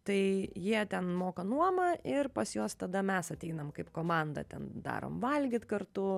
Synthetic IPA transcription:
t̪ɐɪjiɛt̪ʲɛnmoːkɐnuɔmɐʔɪrpɐsjoːst̪ɐd̪ɐmʲɛsɐt̪ʲɛɪnɐmkɐɪpkoːmɑnd̪ɐ̰t̪ʲɛ̰nd̪ɑ̰ːɾo̰ːmʋɐlʲɡʲɪt̪kɐɾt̪ʊ

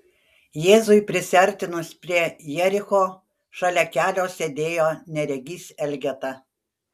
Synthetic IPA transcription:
jeːzʊɪpʲɾʲɪsʲɛɾʲt̪ʲɪnʊspʲɾʲiɛjɛɾʲɪxoː | ʃɐlʲɛkʲæːlʲoːsʲed̪ʲeːjoːnʲɛɾʲɛɡʲiːsʲɛlʲɡʲɛt̪ɐ

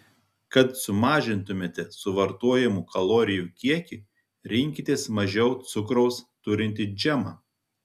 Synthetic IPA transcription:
kɐt̪sʊmɑːʒʲɪnt̪ʊmʲeːt̪ʲɛsʊʋɐɾt̪uɔjɛmuːkʰɐlˠoːɾʲɪjuːkʲiɛkʲi | ɾʲɪŋʲkʲɪt̪ʲeːsmɐʒʲɛʊt̪sʊkɾɔʊst̪ʊɾʲɪnʲt̪ʲɪd͡ʒʲæmɑː

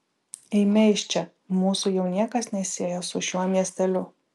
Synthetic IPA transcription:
ɛɪmʲɛʃʲt͡ʃʲɛ | muːsʊjɛʊnʲiɛkɐsnʲɛsʲiɛjosʊʃʲuɔmʲiɛsʲt̪ʲɛlʲʊ

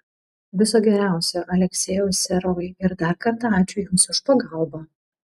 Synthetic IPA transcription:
ʋʲɪsoːɡʲɛɾʲæˑʊsʲoʔɐlʲɛksʲɛːjʊːsʲɛɾɔjɪɾd̪ɐɾkɐɾt̪ɑɑːt͡ʃʲʊjʊmsʊʃpɐɡɐlˠbɐ

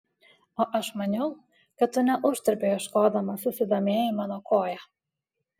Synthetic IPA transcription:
oːʔɐʃmɐnʲɛʊ | kɐt̪ːʊnʲɛʔʊʒd̪ʲɐɾʲpʲejɪʃkoːd̪ɐmɐsʊsʲɪd̪oːmʲeːjɪmɑːnoːkoːjɛ

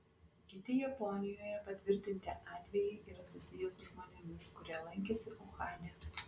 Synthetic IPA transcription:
kʲɪt̪ʲɪjɛpɔnʲɪjoːjɛpɐt̪ʲʋʲɪɾʲt̪ʲɪnʲt̪ʲɪʔɑːt̪ʲʋʲɛjɪɪʔiːɾɐsʊsʲɪjɛsʊʒmoːnʲɛmʲɪskʊɾʲiːlˠɐŋʲkʲɛsʲɪʔʊxɑːnʲɛ

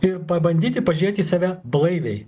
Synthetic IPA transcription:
ɪɾpɐbɐnʲd̪ʲiːt̪ʲɪpɐʒʲiɛt̪ʲɪsɑːʋʲæblˠɐɪʋʲɛɪ

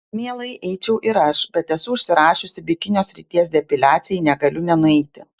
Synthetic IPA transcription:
mʲiɛlˠɐɪʔɛɪt͡ʃʲɛʊʔɪɾɐʃbʲɛt̪ɛsʊʊʃʲsʲɪɾɑːʃʲʊsʲɪbʲɪkʲɪnʲoːsʲɾʲɪt̪ʲiɛsd̪ʲɛpʲɪlʲæːt̪sʲɪjɛɪnʲɛɡɐlʲʊnʲɛnʊɛɪt̪ʲɪ

